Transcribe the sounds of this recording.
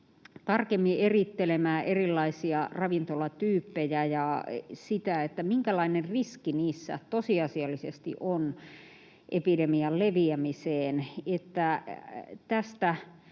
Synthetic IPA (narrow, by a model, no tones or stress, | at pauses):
t̪ɑrkemːierit̪ːelemæːʔerilːɑisiɑrɑʋint̪olɑt̪yːpːejæjɑsit̪æet̪ːæmiŋkælɑinerriskiniːsːæ̰t̪osiɑsiɑlːisest̪ḭʔon | ʔepidemiɑlleʋiæmiseːnet̪ːæ | t̪æst̪æ